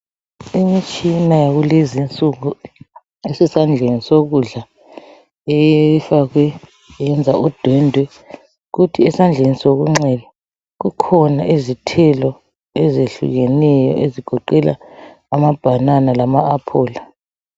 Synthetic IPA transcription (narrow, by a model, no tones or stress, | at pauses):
imit͡ʃʼinajaɣulezint͡sʼuɣu | esisand͡ɮʱenisoɣuɮa | ɛjfaɣwɛ | jɛnd͡zʱaʔud̥ʱwɛndʱwɛ | ɣutʰiɛsand͡ɮʱenisoɣ̬uŋ͡ǁɛlɛ | ɣukʰɔna̰ʔizitʰɛlɔ | ɛzeɬṵɣɛnɛjɔ̰ʔeziɡ̥ʱɔǃɛla̰ː | mab̥ʱananalamaːpʰɔːla